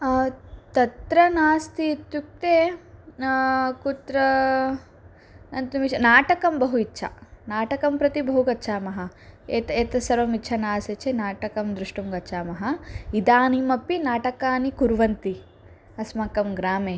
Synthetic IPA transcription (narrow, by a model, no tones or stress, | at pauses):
t̪ɐt̪ɾɐnaːst̪iːt̪juk̚t̪eː | kut̪ɾɐ | nɐnt̪ɐmit͡ʃʰɐnaːʈɐkɐmbɐɦuitːʃʰɐ̰naːʈɐkɐmpɾɐt̪ibɐɦuɡɐːʃʰaːmɐɦɐ̆eːt̪eːt̪ɐsɐɾʋɐmit͡ʃʰɐnaːset͡ʃʰenaːʈɐkɐmd̪ɾuʂʈumɡɐtːt͡ʃʰaːmɐɦɐid̪aːnimɐpːinaːʈɐkaːnikuɾʋɐnt̪i | ɐsmɐkɐmɡɾaːmeː